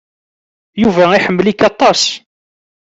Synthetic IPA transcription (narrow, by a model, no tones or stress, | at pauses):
juvæiħəmːlikːɑt̪ˤːɑs